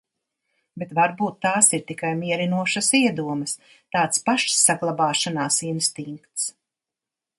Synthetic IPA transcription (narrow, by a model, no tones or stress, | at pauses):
bet̪vaɾbuːt̪ːaːsiɾt̪ikajmʲiɛɾinuɔʃasiɛd̪uɔmɐs | t̪aːt̪spaʃsːaɡlˠabɑːʃanaːsinst̪iŋkt̪s